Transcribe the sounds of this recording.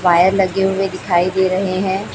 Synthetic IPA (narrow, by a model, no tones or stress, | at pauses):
ʋaːjəɾləɡeɦʊed̪ɪkʰaːid̪eːɾəɦeɦɛ̃ː